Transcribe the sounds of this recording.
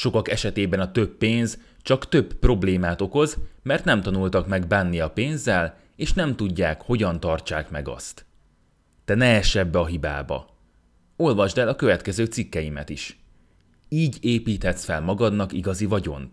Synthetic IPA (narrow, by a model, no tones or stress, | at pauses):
ʃo̞kɒkɛʃɛt̪eːbɛnɒt̪ø̞pːeːnz | t͡ʃɒkt̪øbpro̞bleːmaːt̪o̞ko̞zmɛrt̪nɛmt̪ɒnult̪ɒkmɛɡbanːiɒpeːnzːɛl | eːʃnɛmt̪uɟːaːkho̞ɟɒnt̪ɒrt͡ʃaːkmɛɡɒ̰st̪ | d̪̥ɛnɛɛʃɛbːɛɒɦiba̰ːbɒ̰ | o̞lvɒʒd̪ɛlɒkøvɛt̪kɛzøːt̪sikːɛjimɛ̰t̪iʃ | iːɟeːpiːt̪hɛt̪sfɛlmɒɡɒd̪nɒkiɡɒzivɒɟo̞̰n